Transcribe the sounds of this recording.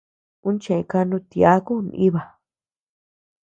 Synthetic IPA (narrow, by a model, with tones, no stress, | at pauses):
ũ˦n˦t͡ʃẽ˨ẽ˧ka˧nũ˧t̪ja˦ku˦˧n˧ĩ˦βa˨